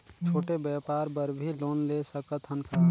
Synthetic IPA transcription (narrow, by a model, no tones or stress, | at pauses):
t͡ʃʰoːʈebɛːpaːɾpəɾbʱiloːnlesəkət̪ʰənpʰə